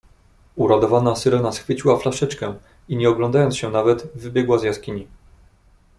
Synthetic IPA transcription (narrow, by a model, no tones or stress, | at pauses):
uɾad̪ɔvanasɘɾɛnasxfɘt͡ɕiwaflaʂɛt͡ʂkɛ | iɲɛɔɡlɔnd̪ajɔnsɕɛnavɛt̪vɘbʲjɛɡwazjaskʲiɲi